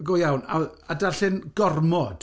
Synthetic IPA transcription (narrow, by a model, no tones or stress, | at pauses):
ɡojawna̰adarɬɪnɡ̥ɔrmɔd̥